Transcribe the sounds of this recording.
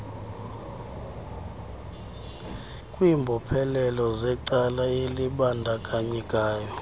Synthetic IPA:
kʼwiːmbʱɔpʰɛlɛlɔzɛǀalaeliɓandʱakʼaɲikʼaːjɔ

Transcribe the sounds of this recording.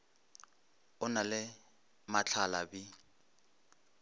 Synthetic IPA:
ʊnalɪ | mat͡ɬʰalabɪ

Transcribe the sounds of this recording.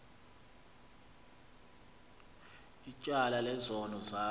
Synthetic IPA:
it͡ʃʼalalɛzɔnɔzaː

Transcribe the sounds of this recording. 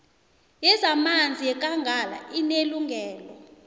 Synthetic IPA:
jɛzamand͡zʱijɛk̬ʼaŋɡʱala̰ineluŋɡʱɛːlɔ

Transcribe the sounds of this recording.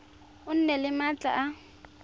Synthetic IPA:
ʊn̩nɛlɪmat͡ɬʼa̰ʔa

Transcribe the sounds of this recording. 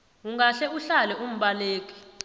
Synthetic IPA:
uŋɡʱaɬɛuɬalɛʔum̩ɓaleːk̬ʼi̥

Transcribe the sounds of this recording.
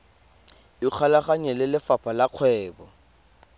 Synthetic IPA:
ɪk͡xʰalaχaɲɛlɪlɪfapʰʼalaq͡χʰwɛːbɔ

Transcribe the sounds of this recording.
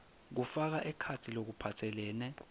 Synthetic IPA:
k̬ufak̬aʔɛkʰatʰilok̬upʰatʰɛlɛːnɛ

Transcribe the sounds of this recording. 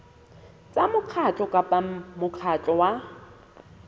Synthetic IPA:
t͡sʼamʊq͡χʰat͡ɬʼɔkʼapʼamʊq͡χʰat͡ɬʼɔwa

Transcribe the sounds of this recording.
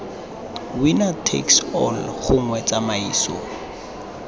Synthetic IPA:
winatʰḛksɔ̰lχʊŋ̩wɛt͡samaiːsɔ̰

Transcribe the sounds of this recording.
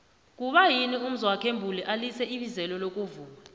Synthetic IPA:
k̬uɓajinium̩zɔwakʰembʱulɛʔalisɛiɓizɛlɔlok̬ʼuvuːma

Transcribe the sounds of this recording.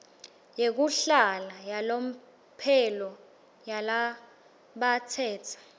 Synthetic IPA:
jek̬uɬalajalom̩ | pʰɛlɔ | jala | ɓatʰɛːtʰḁ

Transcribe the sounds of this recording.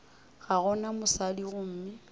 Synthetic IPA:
ɣaɣɔnamʊsadiɣʊm̩ːmɪ

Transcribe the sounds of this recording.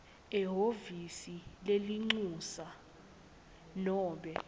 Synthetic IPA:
ɛɦovisileliŋ͡ǀusa | nɔːɓɛ

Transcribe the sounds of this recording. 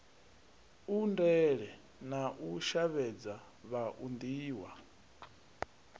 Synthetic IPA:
undɛɺɛ | naʔuʃaβɛd͡za | βaʔund̪iːwa

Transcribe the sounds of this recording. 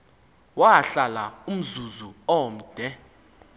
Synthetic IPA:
waɬalaum̩zuzuɔm̩d̥ʱɛ

